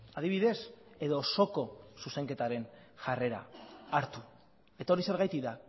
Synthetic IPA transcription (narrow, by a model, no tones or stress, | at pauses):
að̞iβ̞iðe̞se̞ðo̞so̞ko̞suse̞ŋke̞t̪aɾe̞nʝare̞ɾa̰ːɾt̪u | e̞t̪ao̞ɾise̞ɾɣajt̪iða